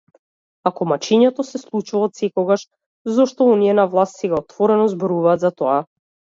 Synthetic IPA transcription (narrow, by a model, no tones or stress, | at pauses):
akɔmat͡ʃiɲɛt̪ɔsɛslˠut͡ʃulˠat̪sɛkɔɡaʃ | zɔʃt̪ɔɔniɛnavlˠast̪sɛɡaɔt̪vɔɾɛnɔzbɔɾuvaːt̪zat̪ɔa